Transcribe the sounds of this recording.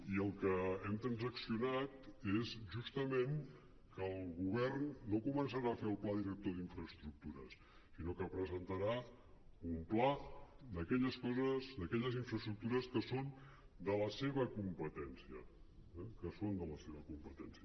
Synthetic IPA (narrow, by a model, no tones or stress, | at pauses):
iəlˠkəɛmt̪ɾənzəksiunat̪ezʒust̪əmen | kəlˠɣuβ̞ɛrnːokumənsəɾaəfeəlˠplaðiɾək̚t̪oðiɱfɾəst̪ɾuk̚t̪uɾə̰s | sinokəpɾəzənt̪əɾa | umplad̪əkɛʎəskɔzəzd̪əkɛʎəziɱfɾəst̪ɾuk̚t̪uɾəskəson | d̪ələseβəkumpət̪ɛnsiə̰ | ɛkəsond̪ələseβəkumpət̪ɛnsiə